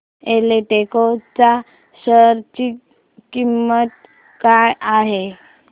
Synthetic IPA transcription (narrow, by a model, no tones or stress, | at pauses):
eleʈekot͡sa | səɾt͡ɕiː | kimːət̪̚ | kajaɦe